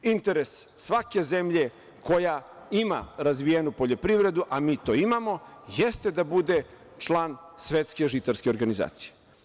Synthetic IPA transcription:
int̪e̞ɾesːʋake̞zemʎe̞ | ko̞ja | imaɾazʋijenupo̞ʎo̞pɾivɾe̞d̪uʔamiːt̪o̞ːimamo̞jest̪e̞d̪abud̪e | t͡ʂlˠaːnsʋet̪skeʒit̪aɾske̞o̞ɾɡaniza̰ːt̪si̥je

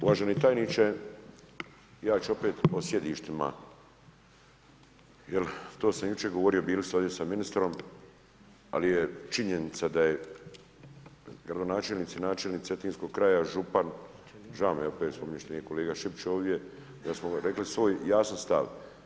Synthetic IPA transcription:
uʋaʒenit̪ajniːt͡ʃe | jaːt͡ʃuo̞peːt̪osjed̪iːʃt̪ima̰ | jelt̪oːsamjut͡ʃeɡoʋo̞ɾijo̞biːlist̪oːd̪jesaminist̪ɾo̞m | a̰lijet͡ʃiɲenit̪sad̪aje | ɡɾad̪o̞naːt͡ʃeːlniːt̪sinaːt͡ʃelniːkt̪et̪iːnsko̞ɡ̚kɾaːjaʒupan | ʒaomjeopeːt̪spomiɲeʃt̪eniko̞leːɡaʃipt͡ʃoːʋd̪je̞ | d̪asmoɾe̞klisʋo̞ːjjaːsanst̪a̰ʋ

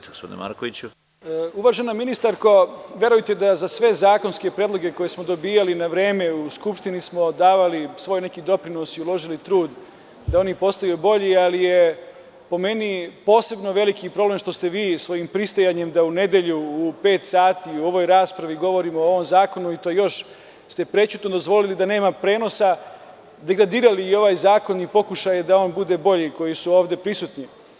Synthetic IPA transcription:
ɡospod̪in̰ma̰ɾkoʋit͡ɕu | uʋaʒenaminist̪aɾkoʋʲje̞ɾujt̪ed̪azasʋe̞zaːko̞nske̞pɾed̪lˠo̞ɡe̞kojesmo̞d̪o̞biːjalinaʋɾeːmeuskupʃt̪inismo̞d̪aːʋalisʋo̞ːjne̞kid̪o̞pɾino̞siulo̞ʒilit̪ɾuːd̪ | d̪ao̞nipo̞st̪ajubo̞ʎialije | po̞me̞nipo̞ːse̞bnoʋe̞likipɾo̞ble̞mʃt̪o̞st̪eʋiːsʋo̞jimpɾist̪ojaɲemd̪aune̞d̪e̞ʎuːpe̞ːt̪saːt̪iuo̞ʋo̞jɾaːspɾaʋiɡo̞ʋo̞ɾimoo̞ʋo̞mzaːko̞nuit̪o̞jjo̞ʃ | st̪e̞pɾe̞t͡ɕut̪nod̪o̞zʋo̞lilid̪ane̞ːmapɾe̞ːno̞sa | d̪e̞ɡɾad̪iːɾaliːo̞ʋaːjzaːko̞nipo̞kuʃajed̪ao̞ːnbud̪e̞bo̞ʎiko̞jisuoːʋd̪e̞pɾisut̪ni

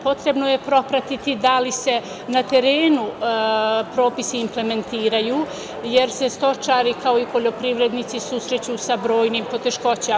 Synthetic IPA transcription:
po̞t̪ɾe̞bnoje̞pɾo̞pɾat̪it̪id̪alise̞ | nat̪e̞ɾe̞ːnu | pɾo̞ːpisiimple̞me̞nt̪iːɾajuː | je̞ɾse̞st̪o̞t͡ʃaːɾikao̞ipo̞ʎo̞pɾiʋɾe̞d̪nit̪sisusɾe̞t͡ɕusabɾo̞ːjniːmpo̞t̪e̞ʃko̞t͡ɕe

